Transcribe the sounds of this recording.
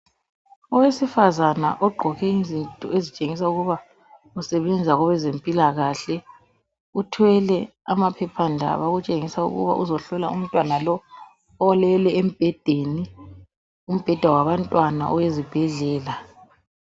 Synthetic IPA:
ɔwesifazana̰ʔɔɡ͡ǃʱɔɣɛizintʼɔ̰ezit͡ʃʼeŋis̬auɣuβa | usɛβɛnd͡zʱaɣɔβɛzempʼilaɣaɬɛ | utʰwɛlɛ | amapʰɛpʰandʱa̰βaɣut͡ʃʼeŋisaṵɣṵβa̰ʔuzɔɬɔlaṵm̩tʼwanalɔ | ɔlɛlɛem̩b̥ʱɛd̥ʱeni | um̩b̥ʱɛd̥ʱawaβantʼwana̰ʔɔwezib̥ʱɛɮɛːla

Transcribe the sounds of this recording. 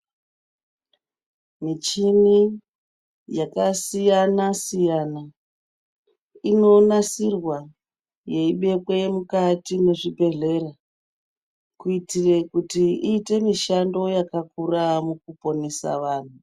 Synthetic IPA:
mit͡ʃimi | jakasijanasijana | ino̞nasirwa | je̞iɓe̞kwemukatine̞ʐipe̞ɮe̞ra | kuitirekutiiːte̞miʃando̞jakakuramukupo̞ne̞sa̰ʋaːn̤u

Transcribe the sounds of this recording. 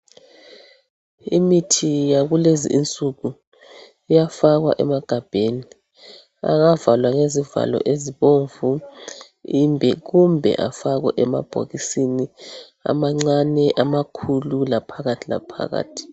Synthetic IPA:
imitʰijaɣulezḭʔint͡sʼuɣu | ijafaɣwa̰ʔɛ̰maɡ̥ʱab̥ʱeni | a̰ŋavalwaŋeziva̰lɔ̰ʔeziβoɱvu | imbʱɛɣumbʱɛ̰ʔafaɣwɛʔɛma̰b̥ʱo̰ɣisini | a̰maŋ͡ǀanɛʔamakʰululapʰaɣatʰila̰pʰa̰ɣa̰ːtʰi̥

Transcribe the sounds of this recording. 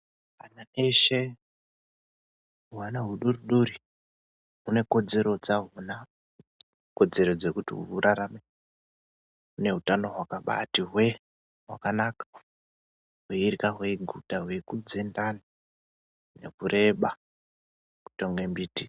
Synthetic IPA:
anaeʃe̞ | uwanaɦuɗuruɗori | ɦune̞ko̞d͡ze̞ɾo̞d͡zaɦuna | ko̞d͡ze̞ɾo̞d͡ze̞kutḭṵuɾʔaɾame | une̞ɦutano̞ɦwakaɓa̰tiɦwe̞ | wakanakḁ | ɦweirikaɦwe̞ɡʱutaɦwe̞kud͡ze̞ndani | ne̞̰kuɾʔe̞ɓa | ku̥toŋɡe̞mbiːti

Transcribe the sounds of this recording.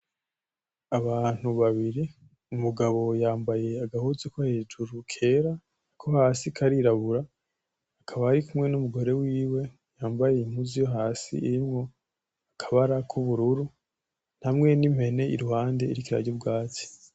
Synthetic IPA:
aβaːn̥uβaβiɾi | umuɡaβo̞jaːmbaje̞aɡahuzekwahe̞ːd͡ʒuɾukʰe̞ːɾa | kʰohaːsikʰaɾiɾaβuɾaː | kʰaβaːɾikumŋe̞numuɡo̞ɾe̞wiːwe̞ | jaːmbaje̞in̥uzijo̞ɦaːsḭiɾimŋo̞ | akʰḁβaɾakʰuβuɾuɾu | n̥hamŋe̞nim̥he̞ne̞ḭɾuhaːnde̞ḭɾikiɾa̰ɾɟobɡaːt͡si̥

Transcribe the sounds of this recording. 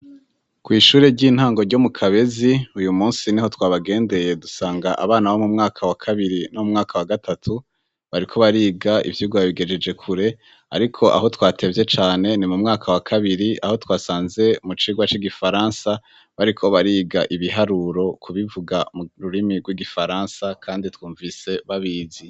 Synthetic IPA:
kwiːʃuːɾeɟiːn̥haːŋɡo̞ɾɟo̞mukʰaβe̞ziujumuːnsiniho̞twaːβaɡe̞ːnde̞je̞dusaːŋɡaʔaβaːnawomumŋaːkʰawakʰaβiɾinomumŋaːkʰawaɡatʰatʰu | βaɾikʰo̞βaɾiːɡaḭvjuːɡaβaβiɡe̞d͡ʒe̞d͡ʒe̞kʰuɾe̞ | a̰ɾikʰo̞ʔa̰ɦo̞twaːtʰe̞vje̞t͡ʃaːne̞nimumŋaːkʰawakʰaβiɾiʔa̰ho̞twaːsaːnze̞mut͡ʃiːɡwat͡ʃiɡifaɾaːnsa | βaɾikʰo̞βaɾiːɡaʔiβiɦaɾuːɾo̞kʰuβivuɡamuɾuɾimiɡwiɡifaɾaːnsakʰaːnditwuːɱvise̞βaβiːzi

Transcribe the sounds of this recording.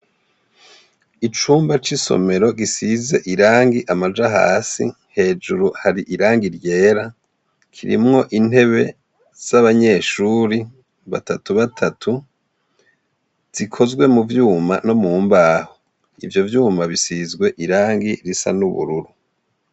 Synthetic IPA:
it͡ʃuːmbat͡ʃiso̰me̞ɾo̞ɡisize̞̰ʔiɾaːŋɡiʔamad͡ʒaɦa̰ːsḭ | he̞ːd͡ʒuɾuhaɾiʔiɾaːŋɡiɾje̞ːɾa | kʰiɾḭmŋo̞ʔin̥he̞βe̞ | z̥aβaɲe̞ːʃuɾi | βa̰tatuβatʰatʰu | z̥ikʰo̞zɡwe̞muvjuːma̰no̞muːmbaːho | ḭvjo̞vjuːmaβisizɡwe̞ʔiɾaːŋɡiɾisa̰nuβṵɾuɾu

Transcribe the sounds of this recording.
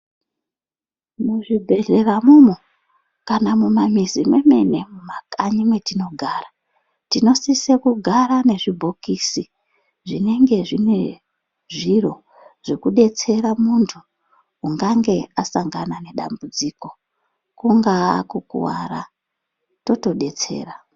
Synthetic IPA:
muʐibʱe̞ɮe̞ramumo | kanamumamizimwe̞me̞ne̞mumakaɲimwe̞tino̞ɡʱaːra | tino̞sisekuɡʱaɾane̞ʐibʱo̞kisi | ʐine̞ŋɡe̞ʐine̞ | ʐiro̞ | ʐ̥ekuɗe̞t͡se̞ɾamuntʰu | uŋɡaŋɡe̞asaŋɡanane̞ɗa̰mbud͡ziːko̞ | kuŋɡakukṵwa̰ɾa | to̞to̞ɗe̞t͡se̞̰ːra

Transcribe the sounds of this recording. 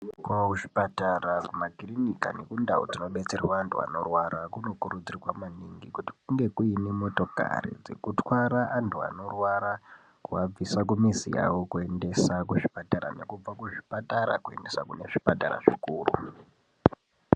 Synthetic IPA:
kwauʐipataɾakumaɡʱirinikanekundaod͡zino̞ɓe̞t͡serwaːntʰua̰no̞rwaɾakuno̞kuɾud͡ziriwamaniŋɡikuti̥kuŋɡe̞kuinemo̞to̞ka̰rḭd͡ze̞̰kutwaɾaʔantʰua̰no̞rwaɾa | kuwab͡visak̬umizija̰wokue̞nde̞sakuʐipataɾa̰ne̞kub͡vakuʐipataɾa̰kue̞̰nde̞sakune̞ʐipata̰ɾa̰ʐikuːrṵ

